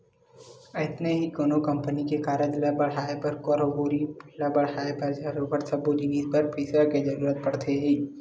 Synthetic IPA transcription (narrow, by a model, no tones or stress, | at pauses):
ɪɪt̪neɦikoːnokɐ̃mpənikekaːɾəd̪ɪlabɐɽɦaːepɐɾkɔːɾoboːɾipɪlabɐɽaːepɐɾd͡ʒaɾobəɾsɐbod͡ʒiniːspɐɾpʰiːsəɾked͡ʒɐɾuːɾət̪̚pɐɽt̪ʰeɦĩː